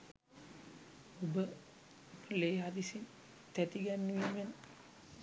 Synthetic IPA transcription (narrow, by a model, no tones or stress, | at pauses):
obə | leːɦad̪isin | t̪æt̪iɡænːuʋiːmen